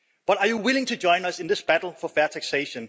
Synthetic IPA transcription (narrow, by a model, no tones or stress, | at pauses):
b̥ʌɾɑjuwɪlɪ̃ŋtʰud͡ʒɔ̃ɪ̃nʌsɪ̃nðɪsb̥æɾl̩ˠfɔfɛɐtʰækseɪʃə̃n